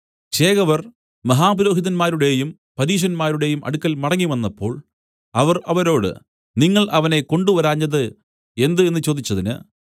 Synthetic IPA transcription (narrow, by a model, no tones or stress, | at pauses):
t͡ɕe̞ːɣɐʋɐr | mɐɦaːbuɾo̞ːɦiðɐnmaːɾuɽe̞jum | pɐɾiːɕ̬ɐnmaːɾuɽe̞jumʔɐ̰ɽukːɐlmɐɽɐŋːiʋɐnːɐpːo̞ːɭ | ɐʋɐrɐʋɐɾo̞ːɽɨ̰ | niŋːɐɭʔɐʋɐne̞ko̞ɳɖuʋɐɾaːɲːɐðɨ | e̞nd̪ɨe̞nːɨt͡ɕo̞ːd̪it͡ɕːɐðinɨ̰